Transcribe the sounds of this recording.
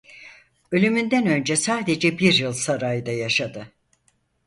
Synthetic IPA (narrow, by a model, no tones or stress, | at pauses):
ø̞lʲymynd̪ænø̞nd͡ʒɛsaːd̪e̞d͡ʒɛbiɾjɯlˠsaɾajd̪ajaʃad̪ɯ